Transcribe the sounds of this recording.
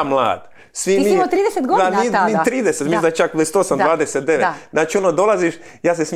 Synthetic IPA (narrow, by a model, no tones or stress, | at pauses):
mlˠa̰ːd̪̥ | sʋimiot̪ɾiːd̪eset̪ɡod̪aninit̪ɾiːd̪eset̪misd̪at͡ʃakest̪osamd̪ʋaːd̪eset̪̚d̪eʋet̪naːt͡ʃionod̪o̞laziʃ | jaːs̬es